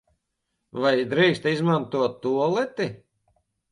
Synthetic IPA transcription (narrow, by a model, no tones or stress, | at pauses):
vajd̪ɾiːst̪izmant̪uɔt̪ːuɔlˠɛt̪i